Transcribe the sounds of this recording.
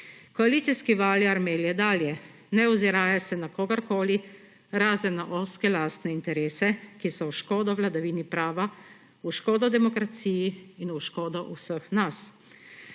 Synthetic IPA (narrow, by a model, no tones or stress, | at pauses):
kɔaliːt̪siskiʋaːljiaɾmeːljɛd̪aːljɛ | nɛɔziɾaːjasɛnakoːɡaɾkoːli | ɾaːzɛnaʔoskɛlaːst̪nɛint̪ɛɾeːsɛkisɔwʃkoːd̪ɔwlad̪aʋiːnipɾaːʋa | uʃkoːd̪ɔd̪ɛmɔkɾat̪siːjiːnuʃkoːd̪ɔʔusəxnas